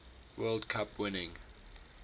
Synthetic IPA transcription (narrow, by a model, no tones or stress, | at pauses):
wɛldkʰapʰwɪnɪ̃ŋ